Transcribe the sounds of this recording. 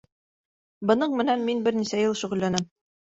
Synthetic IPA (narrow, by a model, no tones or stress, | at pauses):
bɤ̆nɤɴmɘ̆nænminbɘɾnisæjɤlˠʃŭʁɘ̆lːænæm